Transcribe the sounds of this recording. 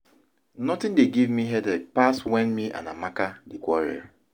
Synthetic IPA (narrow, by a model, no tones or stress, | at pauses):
nɔtɪ̃ndeɡivmiɦɛdɛk̚paswɛ̃nmiʔã̰na̰makadekʷɔɾɛ̰ɹ